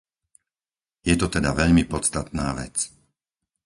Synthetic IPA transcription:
jɛt̪ɔt̪ɛd̪aʋɛʎmipɔst̪at̪naːʋɛ̰t͡s

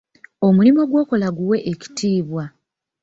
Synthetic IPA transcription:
o̞mulimo̞ɡwo̞ːkolaɡuwe̞ʔeci̥tʰiːβwa

